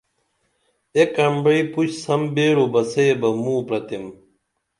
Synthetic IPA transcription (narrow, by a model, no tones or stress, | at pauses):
ekɐmbɐiput͡ɕsɐmbeːɽobɐsebɐmuːpɾɐt̪em